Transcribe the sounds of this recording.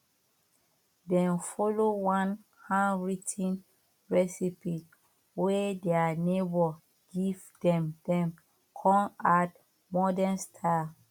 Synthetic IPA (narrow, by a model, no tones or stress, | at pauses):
dɛ̃nfɔlowãn | hãnɹitʰĩn | ɹɛsipi | wɛdɛanebɔ | ɡ̥ivdɛ̃mdɛ̃m | kʰɔ̃mat | mɔdɛ̃nstʰa